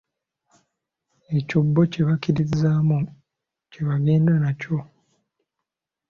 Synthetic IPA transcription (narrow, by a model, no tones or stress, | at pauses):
e̞cobːo̞ce̞βakiɾizaːmu | ce̞βaɡe̞ːndanaco̞